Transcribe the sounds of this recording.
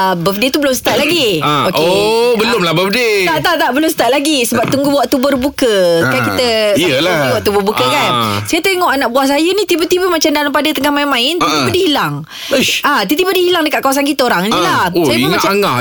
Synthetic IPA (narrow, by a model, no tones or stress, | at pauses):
əbəfdit̪ubəlʊmsə̥t̪at̪̚laɡiokeobəlʊmlahbəfdet̪aʔt̪aʔt̪aʔbəlʊmsə̥t̪at̪̚laɡisəbap̚t̪uŋɡuwaʔt̪ubərbukəkajkit̪əsaəlaiwaʔt̪ubʊrbukəkansajət̪eŋɔʔanaʔbuaʔs̬ajənit̪ibət̪ibəmat͡ʃamdalampadət̪əŋahmainmãɪnt̪it̪ibədihilaŋ | at̪it̪ibədihilaŋdəkatʔ̪̚kawasankit̪əoɾaŋnilaosajəmamat͡ʃaŋa